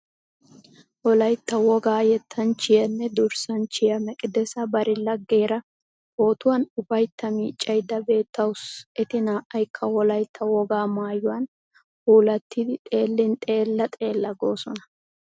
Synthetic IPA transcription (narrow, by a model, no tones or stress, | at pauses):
wɔlɐjt̪ːɐwɔɡaːjɛt̪ʰːɐnt͡ʃɪjɐnːɛd̪ʊɾsɐnt͡ʃɪjɐmɛkʼɪd̪ɛsɐbɐɾɪlɐɡːe̞ːɾɐ | ho̞ːt̪ʊwɐnʊbɐjt̪ʰːɐmiːt͡ʃʼːɐjd̪ːɐbe̞ːt̪ːɐwʊsɛt̪ɪnaːʔɐjkʰːɐwɔlɐjt̪ʰːɐwɔɡaːmaːjʊwɐn | huːlɐt̪ːɪd̪ɪt̪ʼe̞ːlːɪnt̪ʼe̞ːlːɐt̪ʼe̞ːlːɐɡo̞ːsɔnɐ̥